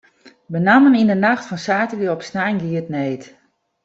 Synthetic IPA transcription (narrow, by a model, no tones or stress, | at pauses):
bənamənindənaxtfɔnsaːtəliəɔpsnajnɡiətneːt